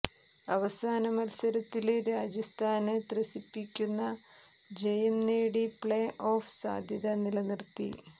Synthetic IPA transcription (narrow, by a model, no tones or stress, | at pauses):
ɐʋɐsaːnɐmɐlsɐɾɐt̪ːilɾaːd͡ʑɐst̪ʰaːnɨt̪rɐsipːikʲːunːɐ | d͡ʑejɐmneːɽipɭeːʔo̞ːfsa̰ːd̪ʱjɐðɐnilɐnirt̪ːḭ